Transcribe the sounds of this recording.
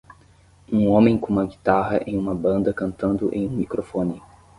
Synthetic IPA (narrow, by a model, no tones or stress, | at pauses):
ũõmẽj̃kõũmɐɡit̪aɦɐʔẽj̃ũmɐbɐ̃nd̪ɐkɐ̃nt̪ɐ̃nd̪ʊʔḛ̃j̃ũmikɾofõnɪ